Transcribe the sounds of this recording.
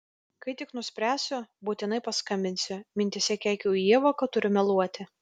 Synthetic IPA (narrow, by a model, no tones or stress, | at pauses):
kɐɪt̪ʲɪknʊsʲpʲɾʲæːsʲʊbuːt̪ʲɪnɐɪpɐskɐmʲbʲɪnʲsʲʊmʲɪnʲt̪ʲɪsʲɛkʲæːkʲuːiɛʋokɐt̪ʊɾʲʊmʲɛlˠuɔt̪ʲɪ